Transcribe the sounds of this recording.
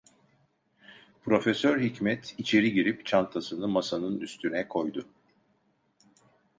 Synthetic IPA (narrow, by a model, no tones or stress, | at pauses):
pɾo̞fesøɾɦicmɛt̪ʰit͡ʃʰe̞ɾiɟiɾipt͡ʃʰant̪ʰasɯnɯmasanɯnyst̪ʰynɛkʰo̞jd̪ʊ